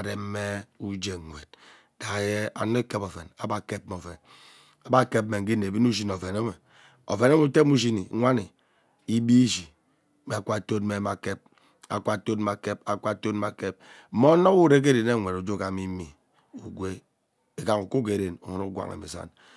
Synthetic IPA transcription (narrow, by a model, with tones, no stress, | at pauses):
a˨ɾe˨m˦me˦u˦d͡ʒe˨ŋʷe˨d̚ | d̥a˨je˦a̰˨no˦ke˦po˨ve˨na˨ba˦˨ke˦p̚m˨o˨ve˨n | a˨ba˦˨ke˦p̚me˨ŋ̩˦i˦ne˨bi˦n˦u˦ʃ̬i˦n˨o˨ve˨no˦me˨ | o̰˨ve˨no˦m˦u˦te˦mu˦ʃi˦ni˨˦ŋʷa˦ni˨ | i˦bi˦d͡ʒi˨ | me˨a˨kʷa˦˨to˦t̚me˨˦ma˨ke˦p̚ | a̰˨kʷa˦˨to˦tm˨a˨ke˦pa˨kʷa˦to˦tma˨ke˦p̚m̩˨˦mo˦no˦u˦ɾe˦k̬e˦ɾe˨ne˦˨ŋʷ˨e˨ɾo˨d͡ʒo˦ka˨mi˦mi˨ | u˨ɡʷe˦ | e˨ka˦ŋu˨ko˦k̬e˨ɾe˨no˨ŋo˦no˦ɡʷa̰˨ŋḛ˨mḛ˨sa̰˦n